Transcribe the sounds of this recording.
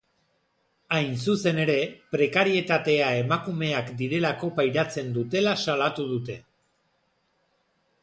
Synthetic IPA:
ajnsuse̞ne̞ɾe̞pɾe̞kaɾie̞t̪at̪e̞ae̞makume̞akd̪iɾe̞lako̞pajɾat͡se̞nd̪ut̪e̞lasalat̪uðut̪e̞

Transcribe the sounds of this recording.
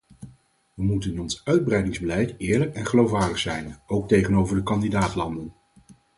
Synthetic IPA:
ʋəmutənɪnɔnsœɥd̚brɛjdɪŋzbəlɛjtɪːɹləkɛnχəlowfʋaːɹdəχsɛjnowk̚tejχənowvəɹdəkɑndidaːtlɑndən

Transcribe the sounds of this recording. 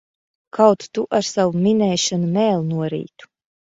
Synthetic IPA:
kʰawt̪t̪uʔaɾsawuminɛːʃanumɛːlˠnuɔɾḭːt̪u̥

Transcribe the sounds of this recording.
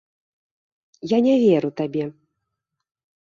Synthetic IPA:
janʲɛvʲɛɾut̪abʲɛ

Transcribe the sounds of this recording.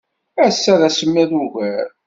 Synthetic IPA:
æsːæðæsəmːæðuʝæɾ

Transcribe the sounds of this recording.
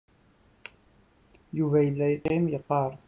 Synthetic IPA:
juvæjəlːæjt̪ːimjəqːɑɾˤ

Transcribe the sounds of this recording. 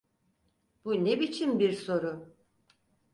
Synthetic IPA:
b̥unebit͡ʃʰinbiɾso̞ɾʊ

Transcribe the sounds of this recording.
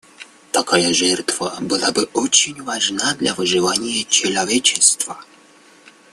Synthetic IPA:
t̪akajaʐɛrt̪vəbɨlˠabɨʔɔt͡ɕɪnʲvaʐnad̪lʲavɨʐɨvanʲɪjət͡ɕɪlˠɐvʲet͡ɕɪst̪və

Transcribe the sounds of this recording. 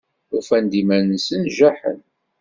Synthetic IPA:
ʊfænd̪imænəsənʒæħə̰n

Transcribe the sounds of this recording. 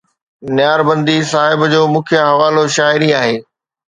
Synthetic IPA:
nɪjaːɾbɐ̃nd̪isaːɦɪbd͡ʑoːmʊ̃ːkʰjaɦɐʋaːloʃaːɪɾiaːɦeː

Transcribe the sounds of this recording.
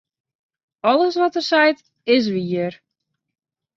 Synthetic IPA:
ɔlˠəsʋɔtərsɛjt | ɪs̬ʋiər

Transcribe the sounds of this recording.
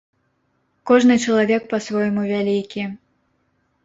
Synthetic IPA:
kɔʐnɨt͡ʂɐlˠavʲɛk̚pɐsvɔjmuvʲalʲikʲi

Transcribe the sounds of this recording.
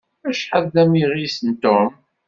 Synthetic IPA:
æʃħəððæmiʁisənt̪ʊm

